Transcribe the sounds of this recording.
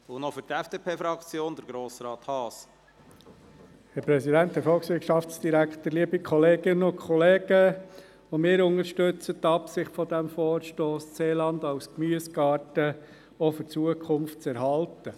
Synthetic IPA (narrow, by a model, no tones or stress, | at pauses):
ʊnɔfʏɾtɛfd̥eːpʰeːfɾɑkt͡sjoːnd̪əɾɡɾoːsɾɑːt̪hɑːs | hɛɾpɾɛsidæntdɛɾfɔlˠksʋɪɾtʃɑft͡sd̥iɾækχt̪əɾliəbikʰɔleːɡɪnəʊkʰɔleːɡ̥ə | omɪːɾʊŋəɾʃtɵt͡sət̪ɑpsɪχtfɔd̪æmfɔːɾʃtoːsseːlɑnd̪aʊskmyːəsɡ̥ɑːɾtə | ɔfəɾt͡suəkʰχʊmftt͡sɛɾɦɑltə